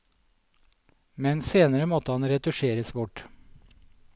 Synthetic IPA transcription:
mɛnseːnəɾəmɔt̪əhɑnɾɛt̪ʊʃeːɾəsʋʊʈ

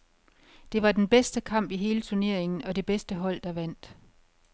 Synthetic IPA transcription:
d̥e̝ʋɑ̈d̥enb̥esd̥əkʰɑ̈m̰b̥iɦe̝ːlət͡sʰuɐne̝ɐ̰e̝ŋn̩ɒ̽de̝b̥esd̥əɦɒ̽l̰d̥ɑ̈ʋæn̰d̥

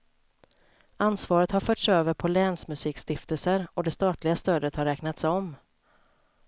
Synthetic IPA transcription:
ansvɑːɾət̪haɾfœːʈsøːvəɾpʰɔlɛːnsmɵsiːkst̪ɪft̪əlsəɾɔd̪ɛst̪ɑːt̪lɪɡast̪øːd̪ət̪haɾːɛːknat̪sɔm

